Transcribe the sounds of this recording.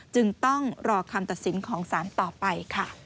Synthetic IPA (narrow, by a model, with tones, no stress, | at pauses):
t͡ɕɯ˧ŋt̪ɔ˥˩ŋɾɔː˧kʰa˧mt̪a˨˩t̪̚si˩˦nkʰɔː˩˦ŋsaː˩˦nt̪ɔː˨˩pa˧jkʰa˥˩